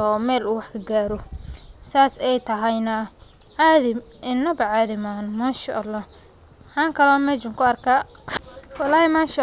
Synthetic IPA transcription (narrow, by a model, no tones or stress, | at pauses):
ɔːmɛːluːwɑħkʰɐɡaːɾɔsaːsɛjt̪ʰɐɦɐjnɐ | ʕaːðɪm | ʔɪnːɐbɐʕaːðɪmaːnmaːnʃɐʔɐlːaː | ħɑːŋkʰɐlɔːmɛːt͡ʃɪŋkʰʊɐrkʰaː | wɑlaːhɛmaːnʃɐ